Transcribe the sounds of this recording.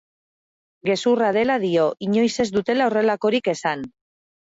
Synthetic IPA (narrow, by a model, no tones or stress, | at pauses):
ɡe̞surað̞e̞lað̞io̞ʔiɲo̞jse̞zd̪ut̪e̞laore̞lako̞ɾike̞san